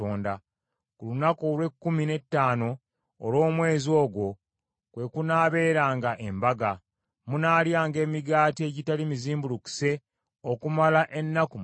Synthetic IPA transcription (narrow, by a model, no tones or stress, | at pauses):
oːnda | kulunakolwe̞kːumine̞tːaːno̞ː | lwo̞ːmwe̞ːzio̞ːɡwo̞ | kwe̞kunaːβe̞ːɾaːŋɡaʔe̞mbaɡa | munaːljaːŋɡe̞ːmiɡaːtie̞ːɟitalimiziːmbuluku̥se̞ | okumalaʔe̞nːakum